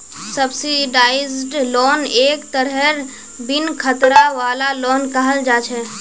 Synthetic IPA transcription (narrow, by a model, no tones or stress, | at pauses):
səbsiɖaːɪzɖloːneːkt̪əɾɦɛɾ | bɪnkʰət̪ɾaʋaːlaloːnkəɦəld͡ʒaːt͡ʃʰɛ